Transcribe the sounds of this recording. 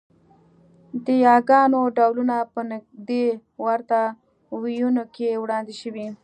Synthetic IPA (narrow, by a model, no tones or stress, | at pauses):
d̪əjɑɡɑnoɖawlunapənaɡd̪ewaɾt̪a | wijunokewɽɑnd̪iʃəwi